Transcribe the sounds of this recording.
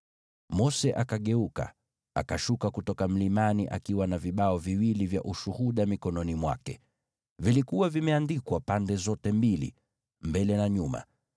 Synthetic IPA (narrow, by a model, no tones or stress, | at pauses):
mɔsɛʔakaɠɛuka̰ | a̰kaʃukakutɔkam̩limaniʔa̰kiwanaviɓaɔviwilivja̰ʔuʃuhuɗamikɔnɔnimwa̰kɛ̰ | vilikuwavimɛandikwapandɛzɔtɛmbilḭ | mbɛlɛnaɲuma̰